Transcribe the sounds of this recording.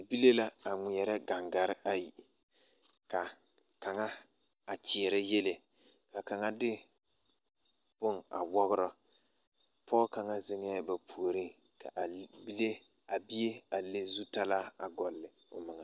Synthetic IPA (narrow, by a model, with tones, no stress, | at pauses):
bi˦le˦la˦a˨ŋi˨ɛ˨ɾɛ˦ɡa˨ŋɡa˨ɾɪ˦ʔa˦ji˨ | ka˨ | ka˨ŋa˦ | a˨t͡ʃɪ˨ɛ˨ɾɛ˦je˦le˨ | ka˨ka˨ŋa˦dɪ˦ | b̥ʊ˦ŋa̰˨wɔ˦ɣʊ˦ɾɔ˦ | pʰɔː˦ka˨ŋa˦zɪ˦ŋɪ˦a˦ba˨pʰu˨o˨ɾi˦ŋ | kʰa̰˨ʔbi˦le˦ | a˨bi˦e˦a˨le˦zu˦ta˦la˦a˨ɡɔ˨lːɪ˨ | ʊ̰˨mɪ˨ŋa˨